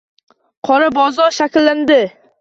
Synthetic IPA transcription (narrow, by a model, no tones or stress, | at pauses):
qʰɒɾabɒzɒɾʃakʲlːand̪ɪ